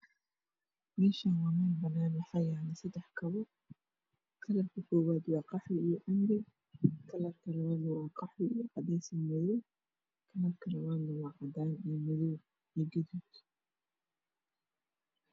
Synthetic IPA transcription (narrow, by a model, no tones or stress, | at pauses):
mɛːʃanwɑːmaːnbɐnaːnɐħɑjaːnɐsɐd̪ɛħkʰɐβɔ | kʰɐlɐrkʰɐkʰɔːwaːd̪wɑːqɑħɪijɔʕʊmɾɛ | kʰɐlɐrkʰɐlɐwaːnɐwɑːqɑħwɪijɔʕɑd̪ɛjsɐnmɐðɔw | kʰɐlɐrkʰɐlɐwaːnːɐwɑːʕɑd̪aːnijɔmɐðɔw | ijɔɡɐðuːd̪